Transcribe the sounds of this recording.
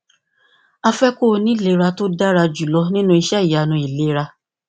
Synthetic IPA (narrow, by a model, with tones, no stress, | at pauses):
a˧fɛ˦ko˦˨nĩ˨˦le˨˦˨ɾa˧to˦da˦ɾa˧d͡ʒu˨lɔ˨˦nĩ˦nũ˦i˧ʃɛ˦i˨ja˨nũ˧i˨le˨˦ɾa˧